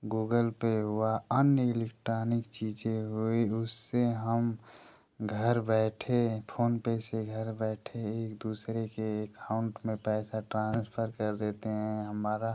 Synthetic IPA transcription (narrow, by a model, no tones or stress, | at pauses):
ɡuːɡəlpeɦuaənjəɪlek̚ʈɾoːnɪkt͡ʃiːd͡ʒeɦoiʊsːeɦəm | ɡʱəɾbɛːʈʰepʰoːnpeseɡʱəɾbɛːʈʰeeːkd̪uːsɾekeːkaʊɳʈmẽpɛːsaʈɾãːnspʰəɾkəɾd̪eːt̪eɦɛ̃ɦəmaːɾa